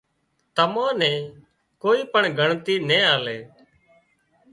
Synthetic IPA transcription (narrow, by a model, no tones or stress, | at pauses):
t̪əmãːnɛ̃ː | koːiːpəɳɡʱəɳt̪iːnẽːaːleː